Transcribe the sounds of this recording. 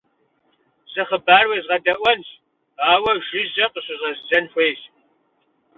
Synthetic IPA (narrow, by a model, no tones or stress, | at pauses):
sʼɨχəbaːrweːzʁɐdɐʔʷɐnɕ | aːwɐʒʷɪʑɐqəɕʼɪʑɐzzɐnxʷeːɕ